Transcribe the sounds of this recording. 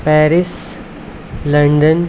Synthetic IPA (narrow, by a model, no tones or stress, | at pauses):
pɛɾis | ləɳɖən